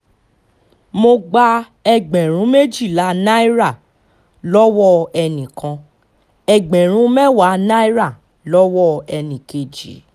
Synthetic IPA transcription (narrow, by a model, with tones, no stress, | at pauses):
mo˧ɡ͡ba˧ | ɛ˧ɡ͡bɛ̃˨ɾ̃ũ˨˦me˦d͡ʒi˦˨la˨˦na˦i˦ɾa˦˨ | lɔ˦wɔ˦ɛ˧nĩ˨kã˧ | ɛ˧ɡ͡bɛ̃˨ɾ̃ũ˨˦mɛ˦wa˨˦na˦i˦ɾa˦˨ | lɔ˦wɔ˦ɛ˧nĩ˨ke˨d͡ʒḭ˨˦